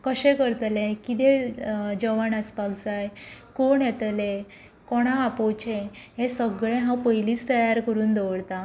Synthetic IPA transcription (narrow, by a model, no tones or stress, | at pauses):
kəɕɛ̃kəɾt̪lẽkit̪ed͡ʑəʋanəspaɡt͡sajkoɳjɛt̪le | kɔɽ̃aːpɔwt͡ɕeɦẽsəɡɭẽɦãpəjliːt͡st̪əjaɾkəɾuːnd̪əʋəɽt̪a